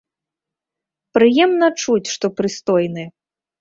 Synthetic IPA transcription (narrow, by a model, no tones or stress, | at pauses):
pɾɨjɛmnɐt͡ʂut͡sʲʂt̪ɔpɾɨst̪ɔjnɨ